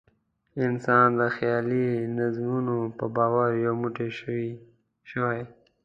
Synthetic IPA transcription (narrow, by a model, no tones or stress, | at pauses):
ɪnsɑnd̪əxjɑlinazmunopəbɑwəɾjomuʈe | ʃəwaj